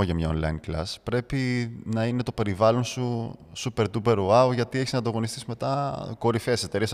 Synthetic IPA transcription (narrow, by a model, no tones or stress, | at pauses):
oʝɐmɲɐonlɐ̰inklɐ̰spɾe̞pinɐine̞t̪o̞pe̞ɾivɐlo̞nsusupe̞ɾt̪upe̞ɾoɐoʝɐt̪ieçiznɐnd̪ɐɣo̞nist̪isime̞t̪ɐko̞ɾifese̞t̪e̞ɾis